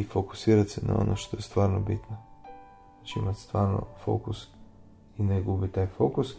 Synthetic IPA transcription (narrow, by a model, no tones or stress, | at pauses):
ifoku̥siɾat̪sɛna̰o̰noʃt̪oɛst̪vaɾnobit̪no | t͡ʃɛḭmat̪st̪vaɾno̰fo̰kus | inɛɡubit̪ajfokus